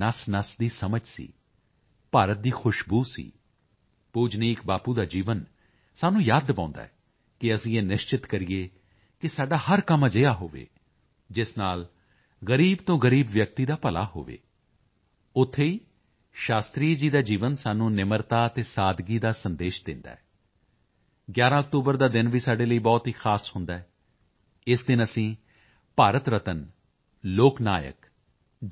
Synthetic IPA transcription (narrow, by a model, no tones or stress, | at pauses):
nəsnəsd̪iːsəməd͡ʒsḭː | paːɾət̪̚d̪iːxʰʊʃbuːsḭː | puːd͡ʒniːkbaːpuːd̪aːd͡ʒiːʋən | saːnũːjaːd̪pãːʊ̃nd̪a̰ːɛː | kɪəsĩːeːnɪʃt͡ʃɪt̪kəɾiːeː | kɪsaːɖaːhəɾkəmad͡ʒɪjaːɦo̰ːʋḛː | d͡ʒɪsnaːl | ɣəɾiːbt̪õːɡəɾiːbʋjək̚t̪iːd̪aːpəla̰ːɦo̰ːʋḛː | ʊt̪ʰːeːiː | ʃaːst̪ɾiːd͡ʒiːd̪aːd͡ʒiːʋənsaːnũːnɪməɾt̪aːət̪eːsaːd̪ɡiːd̪aːsənd̪eːʃd̪ɪ̰̃nd̪a̰ːɛː | ɡjaːɾãːək̚t̪uːbəɾd̪aːd̪ɪnʋiːsaːɖeːləiːbɔːt̪ɦiːxʰaːshʊnd̪aːɛː | ɪsd̪ɪnəsĩː | paːɾət̪ɾət̪ən | loːkna̰ːjə̰k